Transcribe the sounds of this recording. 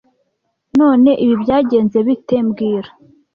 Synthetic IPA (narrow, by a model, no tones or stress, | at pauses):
noːne̞ʔiβibjaːɟe̞ːnze̞βite̞mbɡiːɾa